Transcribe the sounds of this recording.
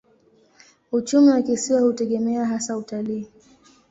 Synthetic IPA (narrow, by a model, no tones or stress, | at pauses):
ut͡ʃumiwakisiwahutɛɠɛmɛaɦasautaliː